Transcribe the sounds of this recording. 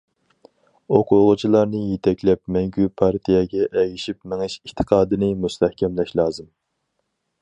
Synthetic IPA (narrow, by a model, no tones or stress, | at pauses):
oqʰʊʁʊt͡ʃʰilˠɑɾnɨjet̪ʰɛkʲlɛp̚mɛŋɡʲypʰɑɾt̪ʰijɛɡʲɛʔɛɡʲiʃipmeŋɨʃiht̪ʰɨ̥qʰɑːd̪ɨnɨmust̪ʰɛhkʲʰɛmlɛʃlˠɑːzɨm